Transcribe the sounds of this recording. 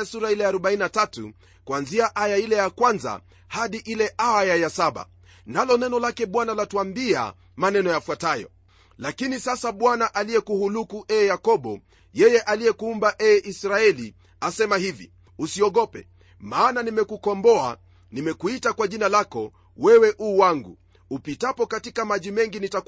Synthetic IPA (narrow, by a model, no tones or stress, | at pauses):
asuɾailɛaɾɔɓaininatatṵ | kwanziaʔajailɛjakwanza̰ | haɗiʔilɛʔajajasaɓa̰ | nalɔnɛnɔlakɛɓwanalatwambia̰ | manɛnɔjafwatajɔ̰ | lakinisasaɓwanaʔaliɛkuhulukuʔɛːjakɔɓɔ | jɛjɛʔaliɛkuumbaʔɛːʔisɾaɛli | asɛmahivḭ | usiɔɠɔpɛ̰ | maːnanimɛkukɔmbɔa̰ | nimɛkuitakwaʄinalakɔ | wɛwɛʔuːwaŋɡṵ | upitapɔkatikamaʄimɛŋɡinita